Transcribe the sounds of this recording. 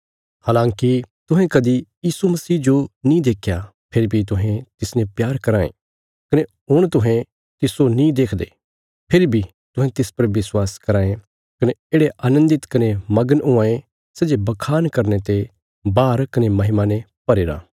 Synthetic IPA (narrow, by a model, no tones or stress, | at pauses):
haːlãːŋkit̪ʊɦɛ̃kɐd̪ijiːsumɐsiːd͡ʒonĩd̪eːkʰja | pʰeɾbʱit̪̬ʊɦɛ̃t̪ɪsnẽpjaːɾkɐɾaːḛ̃ | kɐne | ɦʊɽ̃t̪ʊɦɛ̃ | t̪ɪsonĩd̪eːkʰd̪e | pʰeɾibʱi | t̪ʊ̃ɦɛ̃t̪ɪspɐɾʋɪswaːskɐɾãːẽ | kɐneeːɽeʔaːnə̃nd̪ɪt̪kɐnemɐɡənʊ̃ãːẽ | sɛːd͡ʒebɐkʰaːnkɐɾnet̪e | baːɾkɐnemɐɦɪmane | pɐɾeːɾa̰ː